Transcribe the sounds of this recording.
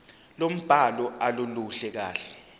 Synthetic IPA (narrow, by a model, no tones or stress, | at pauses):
lom̩b̥ʱalɔʔaloluɬɛk̬a̰ːɬɛ̥